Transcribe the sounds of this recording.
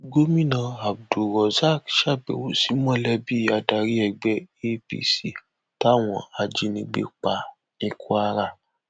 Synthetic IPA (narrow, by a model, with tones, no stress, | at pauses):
ɡo˦mĩ˦nã˧a˨b̚du˨ɾɔ˨za˦˨kʃa˦˨bɛ̰˨wo˨˦si˨˦mɔ̃˦lɛ˦bi˦˨˦a˧da˨ɾi˦ɛ˧˨ɡ͡bɛ˦e˦pḭ˦si˨ | ta˦˨w̃ɔ̰̃˧a˧d͡ʒi˧nĩ˧ɡ͡bḛ˧k͡pa˧ | nĩ˧ku˦a˧ɾa˧˨